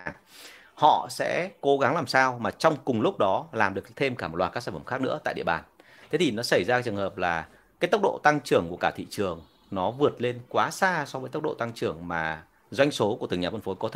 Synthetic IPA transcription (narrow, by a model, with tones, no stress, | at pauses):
hɔ̰˧˨sɛ̰˧˥ko˨˦ɣa˨˦ŋlaː˨˩msaː˧wmaː˨˩t͡ɕɔ˧wŋ͡mkʊ˨˩ŋ͡mlʊ˦˥k͡p̚ɗɔ˨˦laː˨˩mɗɨ˨˩əkt̪ʰe˧mkaː˧˩mo˨˩t̚wa˨˩kaː˦˥saː˧˩fə˧˩mxaː˦˥k̚nɨ̰˧˥ət̪a̰ː˧˨ɗḭ˧ə˨ɓaː˨˩n | t̪ʰe˨˦t̪ʰi˨˩nɔ˨˦sə˧˩jza˧˦jt͡ɕɨ˨˩əŋhəː˨˩p̚laː˨˩ | kaː˨˦jt̪ə˦˥k͡p̚ɗo̰˧˨t̪a˧ŋt͡ɕɨ˧˩əŋku˧˩əkaː˧˩t̪ʰḭ˧˨t͡ɕɨ˨˩əŋ | nɔ˨˦vɨ˨˩ət̚le˧nkwaː˨˦saː˧sɔ˨˦vəː˨˦t̪ə˦˥ɗo̰˧˨t̪a˧ŋt͡ɕɨ˧˩əŋmaː˨˩ | zwa˧jŋso˨˦ku˧˩ət̪ɨ˨˩ŋɲaː˨˩və˧nfo˨˦jkɔ˨˦˧